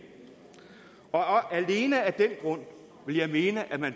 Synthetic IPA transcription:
ɒ̽ɒʔæle̝ːnəæd̥enɡ̥ʁɔ̽n̰ | ʋe̝ljɑ̈ɪme̝ːnəʔæmæn

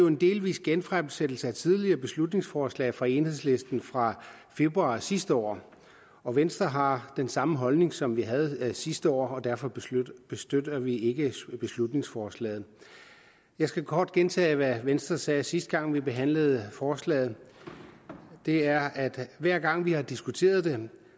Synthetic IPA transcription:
joe̝nd̥e̝̰ːlʋḭːsɡ̥enfʁab̥sed̥l̩səæt͡sʰið̞ˠliɐːb̥e̝slud̥ne̝ŋsfɒːslɛ̰ɪfʁɑ̈e̝ːnhe̝ð̞̰ˠsle̝sd̥n̩fʁɑ̈fe̝b̥ʁuɑ̈ːsisd̥əɒ̰ː | ɒ̽ʋensd̥ɐɦɑ̈d̥ensɑ̈məɦɒ̽lne̝ŋsɒ̽mʋiɦæð̞̩ˠsisd̥əɒ̰ːɒ̽d̥æɐfɒ̽b̥e̝sd̥ød̥ɐʋie̝ɡ̥əb̥e̝slud̥ne̝ŋsfɒːslɛ̰ːð̩ˠ | jɑ̈ɪsɡ̥ækʰɒːd̥ɡ̥ent͡sʰɛ̰ːʋæʋensd̥ɐsɛːsisd̥̚ɡ̥ɑ̈ŋ̰ʋibe̝ɦæn̰ləð̞̩ˠəfɒːslɛ̰ːð̩ˠ | d̥e̝æɐæd̥ʋæɐ̰ɡ̥ɑ̈ŋ̰ʋihɑ̈d̥isɡ̥ut͡sʰe̝̰ːɐð̞̩ˠd̥e̝

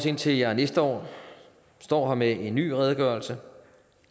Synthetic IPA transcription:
se̝nt͡sʰe̝ljænesd̥əɒ̰ː | sd̥ɒ̰ːɦɑ̈meʔe̝nːy̰ːʁɛð̞ˠɡ̥ɶɐlsə

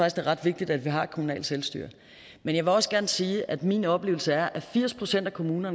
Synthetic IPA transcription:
ɑ̈ɡ̥isɡ̥eæɐʁɑ̈d̥ʋe̝ɡ̥̚d̥id̥æd̥ʋiɦɑ̈e̥kʰo̝munɛ̰ːl̥selsd̥y̰ɐ | menjɑ̈ʋe̝lɒ̽sɡ̥æɐnəsiːʔæd̥minɒ̽b̥le̝̰ːʊl̩səæɐʔæfiɐ̰spʰʁo̝sen̰d̥ækʰo̝muːnɐn

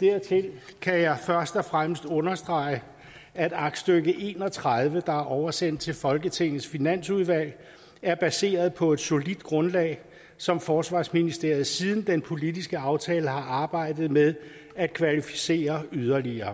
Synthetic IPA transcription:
d̥æɐ̰t͡sʰe̝l | kʰæjɑ̈ɪfɶɐsd̥ɒ̽fʁaməsd̥ɔ̽nɐsd̥ʁɑ̈ɪə | æd̥ɑ̈ɡ̥d̥sd̥øɡ̥əʔe̝ːnɒt͡sʰʁað̞ˠʋəd̥ɑ̈æɐʔɒʊɐsen̰d̥̚t͡sʰe̝lfɒ̽lɡ̥ət͡sʰe̝ŋ̰ð̩ˠsfinæn̰suð̞ˠʋæl̰ | æɐb̥æse̝̰ːɐð̞̩ˠpʰɒ̽e̝d̥so̝lid̥ɡ̥ʁɔ̽nlɛ̰ːɪ | sɒ̽mfɒːsʋɑ̈ːsminisd̥e̝ɐ̰ð̩ˠsið̞ˠn̩d̥enpʰo̝lidisɡ̥əɑ̈ʊt͡sʰɛːləhɑ̈ʔɑ̈ːb̥ɑ̈ɪ̰d̥ð̩ˠmeð̞ˠ | æd̥̚kʰʋælifi̥se̝̰ːɐyð̞ˠɐliɐː

